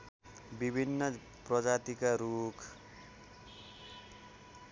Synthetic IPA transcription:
bibʱinːʌ | prʌd͡zat̪ikaɾukʰ

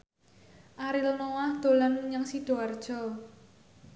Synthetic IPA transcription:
ʔaɾilnowahd̪̥o̤lanuɲaŋsid̪̥o̤ard̥ʒ̥ɔ̤

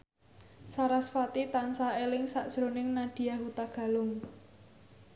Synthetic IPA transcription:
saɾasfat̪it̪ansaelɪŋsaʔd̥ʒ̥ɾonɪŋnad̥i̤jaɦut̪aɡ̥a̤lʊŋ

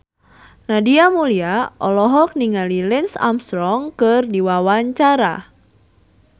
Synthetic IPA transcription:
nadiamuliaʔɔlɔɦɔk̚niŋalilɛnsa̰mst̪ɾɔŋkɨrdiwawaɲt͡ʃaɾa̰

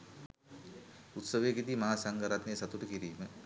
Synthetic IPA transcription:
ut̪səʋejekit̪imaaːsaŋɡaɾat̪nesat̪uʈəkiɾiːmə

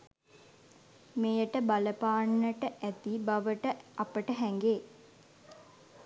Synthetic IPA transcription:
mejəʈəbaləpaːɳːəʈəʔæt̪ibaʋəʈəapəʈəɦɛŋɡeː

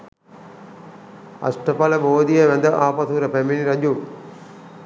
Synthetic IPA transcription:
ɐ̰sʈəpɐləboːd̪ijəʋɛnd̪əʔaːpɐt̪uɾəpæminiɾɐd͡ʒu

